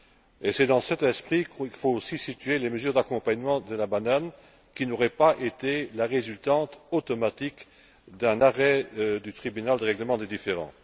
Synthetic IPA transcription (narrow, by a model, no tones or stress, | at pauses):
esɛd̪ɑ̃sɛt̪ɛspχikilfoosisit̪ɥeleməzyʁd̪akɔ̃paɲmɑ̃d̪əlabanan | kʲinoʁɛpaʔet̪elaʁezylt̪ɑ̃t̪ot̪ɔmat̪ik | d̪ɛ̃naʁɛd̪yt̪χibynald̪əʁɛɡləmɑ̃d̪ed̪ifeʁɑ̰̃